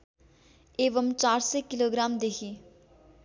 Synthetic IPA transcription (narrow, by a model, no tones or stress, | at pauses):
eːʋəmt͡ʃaːɾseːkɪloːɡɾaːmd̪eːkʰiː